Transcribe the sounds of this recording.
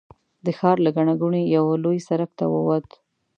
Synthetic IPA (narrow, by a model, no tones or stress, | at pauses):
d̪əxɑɾlaɡaɳaɡuɳejawalojsaɾak̚t̪a̰wə̰wat̪